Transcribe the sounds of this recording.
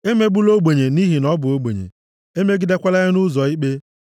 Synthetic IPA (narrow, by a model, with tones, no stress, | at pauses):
e˦me˦bu˦lo˦ɡ͡be˨ɲe˨ni˦ɦi˨nɔ˦bʊ˨o˦ɡ͡be˨ɲḛ˨ | e˦me˦ɡɪ˦de˦kʷa˦la˦ɲa˦nʊ˦zɔ˨i˦k͡pe˦